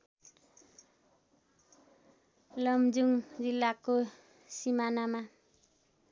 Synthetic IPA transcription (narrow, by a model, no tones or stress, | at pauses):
lʌmd͡zuŋd͡zilːako | simanama